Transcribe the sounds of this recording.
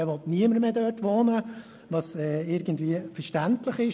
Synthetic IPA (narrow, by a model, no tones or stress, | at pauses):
ɛʋɔtniəməɾmeːdøːtʋɔːnə | ʋɑsɛːɪɾɡəndviəfəɾʃtæntləχɪʃ